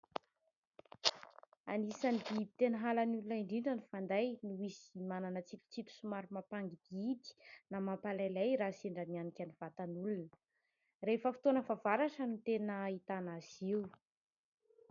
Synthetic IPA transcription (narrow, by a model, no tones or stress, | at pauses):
a̰nisanid̪ibi̥t̪enəɦalanulunəiɳɖ͡ʐiɳɖ͡ʐənifand̪ajnuwisimananət͡sit̪u̥t͡sit̪u̥sumaɾumapaŋɡid̪iit̪i̥namapalalejɾaseɳɖ͡ʐanianikʲaniv̥at̪anulunə | refəfi̥t̪onəvavaɾaʈ͡ʂənut̪enəit̪anaz̥iw